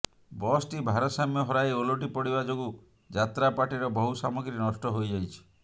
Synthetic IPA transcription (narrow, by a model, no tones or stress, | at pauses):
bɔsʈibʱaɾɔsamjɔɦɔɾajoloʈ̬ipɔɽibad͡ʒoɡu | d͡ʒat̪ɾapaʈiɾɔbɔɦusamɔɡɾinɔsʈɔɦojd͡ʒajt͡ʃʰi̥